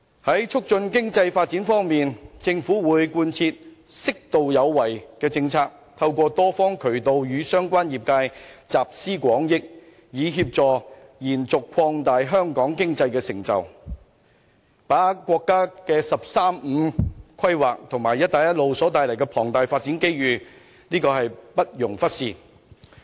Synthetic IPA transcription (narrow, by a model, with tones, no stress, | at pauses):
hɐ˨˥jt͡ʃʰʊ˥k̚t͡ʃɵ˧nkɪ˥ŋt͡sɐ˧jfaː˧t̚t͡si˨˥nfɔː˥ŋmiː˨nt͡sɪ˧ŋfuː˨˥wuː˨˥jkuː˧nt͡sʰiː˧t̚sɪ˥k̚t̪o˨wjɐ˨˧wːɐ˨˩jkɛː˧t͡sɪ˧ŋt͡sʰaː˧k̚ | t̪ʰɐ˧wkʷɔː˧t̪ɔː˥fɔː˥ŋkʰɵ˨˩ɥt̪o˨˧wjyː˨˧sœː˥ŋkʷaː˥njiː˨p̚kaː˧jt͡saː˨p̚siː˥kʷɔː˨˥ŋjɪ˥k̚ | jiː˨˧ɦiː˧p̚t͡sɔː˨˩jiː˨˩nt͡sʊ˨kʰɔː˧ŋt̪aː˨jɦœː˥ŋkɔː˨˥ŋkɪ˥ŋt͡sɐ˧jkɛː˧sɪ˨˩ŋt͡sɐ̰˨w | paː˨˥kʷɔː˧kːaː˥kɛː˧sɐ˨p̚saː˥mm̩˨˧kʷʰɐ˥jwaː˨k̚t̪ʰʊ˨˩ŋmaː˨˩jɐ˥t̚t̪aː˨jɐ˥t̚lo˨wsɔː˨˥t̪aː˨˧jlɐ˨˩jkɛː˧pʰɔː˨˩ŋt̪aː˨jfaː˧t̚t͡si˨˥nke˥jɥyː˨˧ | niː˥kɔː˧hɐ˨jpɐ˥t̚jʊ˨˩ŋfɐ˥t̚siː˨˩